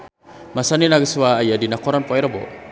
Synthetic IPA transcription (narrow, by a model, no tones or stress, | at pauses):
masaninaɡəswaːjadinakɔɾanpoɛɾəbo̰